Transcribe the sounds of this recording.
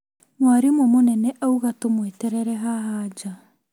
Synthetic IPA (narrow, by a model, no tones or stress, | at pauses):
mwaɾemwɔmonɛnɛʔauɣatomwetɛɾɛɾɛɦaɦad͡ʒa